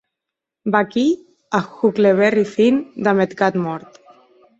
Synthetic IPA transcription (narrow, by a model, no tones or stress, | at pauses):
baki | axukleβerifind̪amet̪kat̪mɔɾt̪